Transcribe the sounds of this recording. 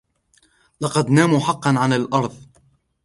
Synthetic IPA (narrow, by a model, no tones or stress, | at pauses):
lɑqɑd̪naːmuːħɑqːɑnʕanalʔɑɾˤðˤ